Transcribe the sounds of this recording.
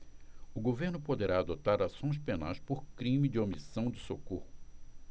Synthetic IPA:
ʊɡoveɾnʊpod̪eɾaːd̪ot̪aɾasõj̃s̬pena̰jspoɾkɾĩmɪd͡ʒɪomisɐ̃w̃d͡ʒɪsokohʊ

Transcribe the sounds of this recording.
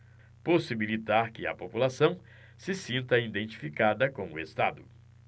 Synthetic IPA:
posibilit̪aɾkɪɐ̰populasɐ̃w̃ | sɪsĩnt̪ɐĩd̪ẽnt͡ʃi̥fikad̪ɐkõʊest̪ad̪ʊ

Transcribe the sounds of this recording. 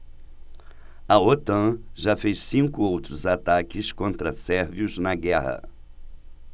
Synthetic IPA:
ɐot̪ɐ̃ʒafejssĩŋkʊowt̪ɾʊzat̪akɪskõnt̪ɾɐsɛɾviʊznɐɡɛhɐ̰

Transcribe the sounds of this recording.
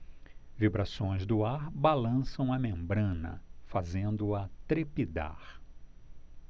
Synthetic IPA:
vibɾasõj̃zd̪ʊaɾbalɐ̃sɐ̃w̃ɐmẽmbɾɐ̃nɐ̰fazẽnd̪ʊɐt̪ɾepid̪a̰ɾ

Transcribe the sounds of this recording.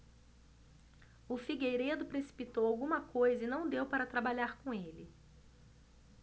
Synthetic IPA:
ʊfiɡejɾed̪ʊpɾesi̥pit̪owawɡũmɐkojzɐinɐ̃w̃d̪ewpaɾɐt̪ɾabaʎaɾkõelɪ

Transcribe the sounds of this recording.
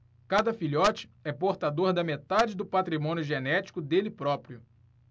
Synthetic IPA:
kad̪ɐfiʎɔt͡ʃɪ̥ɛpoɾt̪ad̪oɾd̪ɐmet̪ad͡ʒɪd̪ʊpat̪ɾimõnjʊʒenɛt͡ʃi̥kʊd̪elɪpɾɔpɾiʊ

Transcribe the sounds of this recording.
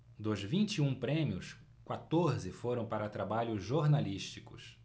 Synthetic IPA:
d̪ozvĩnt͡ʃiũpɾẽmiʊs | kwat̪oɾzɪfoɾɐ̃w̃paɾɐt̪ɾabaʎʊzʒoɾnaliʃt͡ʃikʊs

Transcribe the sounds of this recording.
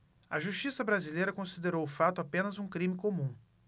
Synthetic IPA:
ɐʒuʃt͡ʃisɐbɾazilejɾɐkõsid̪eɾowʊfat̪ʊapẽnɐzũkɾĩmɪkomũ

